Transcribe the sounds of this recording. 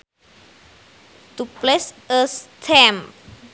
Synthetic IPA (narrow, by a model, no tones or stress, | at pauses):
t̪uplɪs | əst̪ʰɛm